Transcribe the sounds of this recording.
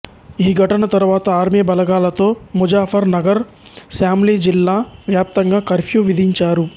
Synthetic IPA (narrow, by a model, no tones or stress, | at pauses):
ɦiɡʱɐʈənat̪ɐɾʋaːt̪aːɾmebɐlɐɡaːlɐt̪omʊd͡ʒaːfɐɾnɐɡəɾ | saːmlid͡ʒɪlːaːʋjaːp̚t̪ɐŋɡakɐɾfʰijoʋɪd̪iɲt͡ʃaːɾuː